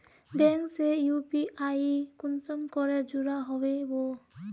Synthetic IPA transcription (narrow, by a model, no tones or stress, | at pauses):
bɛŋksejupiʔajikunsɔmkɔɾed͡ʒuɾaɦɔbebo